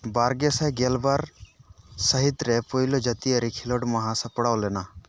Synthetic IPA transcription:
baːɾɡesaɡelbaɾ | səɦit̪ɾepoilod͡ʒɐt̪iəɾikʰiloɖmɐɦãsɐ̃pəɽaolena

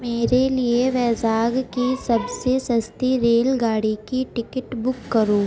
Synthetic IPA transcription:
meːɾelieʋɛːzaːɡkisɐbsesɐst̪iɾeːlɡaːɽikiʈɪkəʈbʊkːɐɾoː

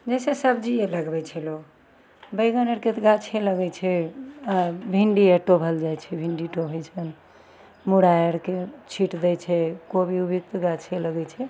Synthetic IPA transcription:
d͡ʒɛsesəbd͡ʒieləɡbɛt͡ʃʰɛlo | bəjɡənəɾket̪ɡat͡ʃʰeləɡɛt͡ʃʰɛ | bʱiɳɖieʈobʱəld͡ʒajt͡ʃʰɛbʱiɳɖiʈobʱəjt͡ʃʰən | muɽajəɾket͡ʃʰiʈd̪ɛt͡ʃʰɛkobʱiubʱik̚t̪ɡat͡ʃʰeləɡɛt͡ʃʰɛ

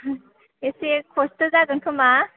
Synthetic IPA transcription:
esekʰostɯzaɡɯŋkʰɯma

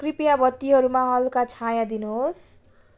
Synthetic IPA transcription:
kripjabʌt̪ːiɦʌɾumaɦʌlkat͡sʰajãd̪inuɦos

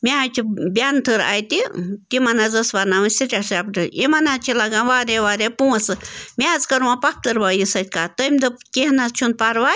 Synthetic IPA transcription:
mʲaːjt͡ʃʰibʲant̪ʰɨɾa̰ːjt̪it̪imɐnazɐsʋaɾnaʋɨsiʈʲasapɖɨimɐnat͡ʃʰilɐɡãːʋaːɾeʋaːɾepuːɐsɨmʲaːzkɐɾmapɐp̚ʰt̪ɨɾʋaːjisɐt̪ʲkaːt̪əmʲd̪ɨkeɦnat͡ʃʰunpaɾʋaː

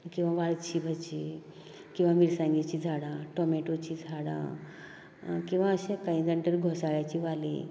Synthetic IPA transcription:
kĩw̃ʋãʋaɭt͡ɕʰibʱət͡ɕi | kĩwʋãmiɾsãŋɡet͡ɕid͡zʱaɽãʈɔmeʈot͡ɕʰid͡zʱaɽã̰ | kĩʋãəɕẽkaĩd̪əɳʈəɾɡʱɔsaɭjat͡ɕiʋalḭ

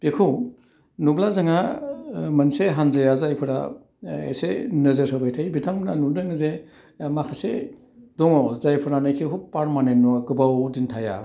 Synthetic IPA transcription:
pekʰuw | nublazaŋa | mɐnseɦanzajazajpʰɯɾa̰ | ḛsenɯzɯɾsɯbajtʰajbitʰaŋbnanudɯŋze | makʰase | dɔŋɔzajpʰɯɾanajkʰiɦupːaɾmanenuɡɯbawdintʰaja̰

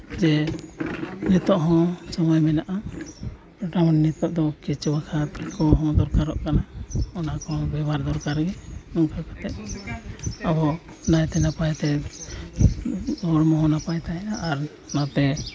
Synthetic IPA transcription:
d͡ʒɛ | nit̪ɔʔɦɔ̃sɔmɔjmɛnaʔa | ɖawnnit̪ɔʔd̪ɔkit͡ʃwakʰat̪kɔɦɔ̃d̪ɔɾkaɾɔ̰ʔkanaɔnakɔ̃bɛbaɾd̪ɔɾkaɾɡɛnɔŋkʰakat̪ɛʔ̪̚ | abɔ | najt̪ɛnapajt̪ɛ | ɔɽmɔɦɔ̃napajt̪ajnaaɾ | nat̪ɛ

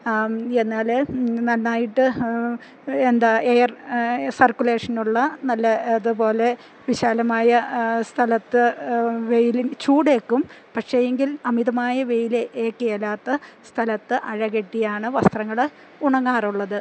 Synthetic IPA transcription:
e̞nːaːlnɐlːaːjiʈːɨ | end̪aejɐrsɐrkːule̞ːʂɐnuɭːɐnɐlːɐːðɨpo̞ːle̞ | ʋiɕaːlɐmaːjɐst̪ʰɐlɐt̪ːɨʋejilit͡ɕuːɽe̞ːkːumpɐkʂe̞eŋɡilɐmiðɐmaːjɐʋe̞jilʔeːkːejɐlːaːt̪ːɐst̪ʰɐlɐt̪ːɨʔɐɻɐɣeʈːijaːɳɨʋɐst̪rɐŋːɐɭ | uɳɐŋːaːruɭːɐðɨ

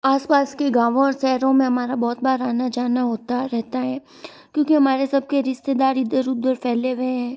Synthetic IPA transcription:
aːspaːskeɡaːʋõɔːɾsɛːɦɾõmẽɦɐmaːɾabɔːt̪̚baːɾaːnad͡ʒaːnaɦoːt̪aɾɛɦt̪aɦɛː | kjõːkiɦɐmaːɾesɐb̚keɾɪʃt̪ed̪aːɾɪd̪əɾʊd̪əɾpʰɛːleʋɐeɦɛ̃ː

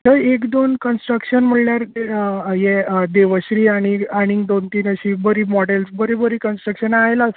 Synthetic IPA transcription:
t̪əekd̪onkənsʈɾəkɕənm̤əɽljaɾ | jɛd̪eʋəɕɾiːaɽ̃iaɽ̃iŋɡd̪ont̪iːnəɕiːbəɾiːmɔɽelsbəɾibəɾiːkənsʈɾəkɕənajlas

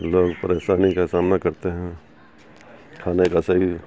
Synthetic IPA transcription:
loːɡpɐɾeːʃaːnikasaːmnakɐɾt̪eɦɛ̃ | kʰaːnekasɐɦi

